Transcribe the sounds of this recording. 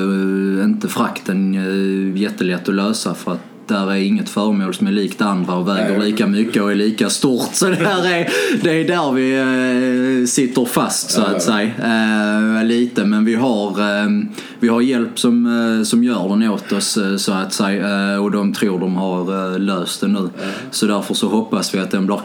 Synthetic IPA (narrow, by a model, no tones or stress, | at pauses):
ɪnt̪əfɾakt̪ən | jɛt̪ːəlɛt̪ːɔløːsafœɾat̪ | d̪̥ɛhæɾæɾɪŋːət̪fœːɾəmoːlsɔmæɾɭiːkt̪and̪ɾaɔvɛːɡəɾɭiːkamʏkːəɔæɭiːkast̪uːɾt̪sɔd̪ɛæɾæɾd̪ɛːd̪æɾvɪ | sɪt̪ːəɾfast̪sɔat̪sɛja | liːt̪əmɛnvɪɦaɾ | vɪhaɾjɛlpsɔmsɔmjœːɾdɛnoːt̪ɔssɔat̪sɛjaɔd̪ɔmt̪ʰɾuːɾɖɔmhaɾløːst̪d̪̥ɛnʉ̟ː | sɔd̪æɾfəɾʂɔɦɔpːasvɪat̪̚d̪ɛnblɪːɾ